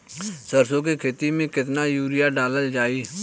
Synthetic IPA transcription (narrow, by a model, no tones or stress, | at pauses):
səɾsõkekʰeːt̪imẽkɪt̪najuːɾɪjaɖaːləld͡ʒaːiː